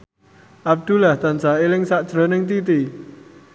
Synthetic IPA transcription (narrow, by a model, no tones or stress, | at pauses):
ʔab̚d̪̥ulaht̪ansaelɪŋsaʔd̥ʒ̥ɾɔ̤nɪŋt̪it̪i